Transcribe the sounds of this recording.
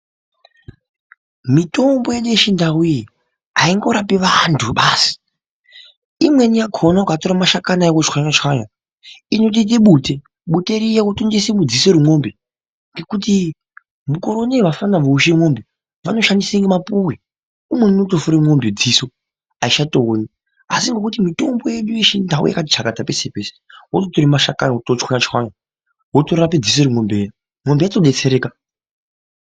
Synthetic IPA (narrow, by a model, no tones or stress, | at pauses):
mito̞mbo̞jeɗueʃindawuiji | aiŋɡo̞ɾapiʋantʰuɓaːsi̥ | imwenijaɡʰʱonaukatoɾamaʃakanaekot͡ʃkwaɲat͡ʃaɲa | inot̬it̬eɓute̞ | ɓute̞ɾijakutoŋdesemud͡ziseɾumo̞mbe | ŋɡe̞kuti | muko̞ɾoneʋafanaʋouʃemo̞mbe | ʋano̞ʃandiseŋɡemapuwe | umwenunotofuɾemo̞mbed͡ziso | aiʃatooːni | asiŋɡekutimito̞mbo̞jeɗuiʃindaṵja̰katit͡ʃakatape̞se̞pe̞ːse̥wototoɾimaʃakanotot͡ʃkwanat͡ʃwana | wotoɾaped͡zis̬oɾiŋo̞mbe | mo̞mbejatoɗet͡seɾe̞ːka